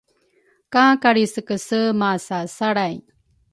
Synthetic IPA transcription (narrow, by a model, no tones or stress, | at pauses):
kãkaɽisəkəsəmasasaɽaj